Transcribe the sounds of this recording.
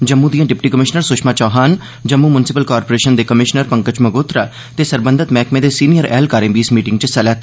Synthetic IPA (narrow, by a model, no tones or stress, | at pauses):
d͡ʒəmːũd̪ijãːɖɪpʈiːkəmɪʃnəɾsʊʃmaːt͡ʃɔːɦaːn | d͡ʒəmːuːmʊnɪsɪpəlkaːɾpoːɾeːʃənd̪eːkəmɪʃnəɾpə̃ŋkət͡ʃməɡoːt̪ɾaː | t̪eːsəɾbə̃nd̪ʱət̪mɛːkmẽːd̪eːsiːnijəɾɛ̰ːlkaːɾẽːbiːsmiːʈɪ̃ŋɡt͡ʃsɛlɛːt̪